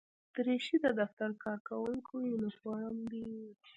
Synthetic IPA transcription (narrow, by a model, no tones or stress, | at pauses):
t̪ɾeʃid̪əd̪aft̪aɾkɑɾkawuŋkojunɪswɑɾamd̪i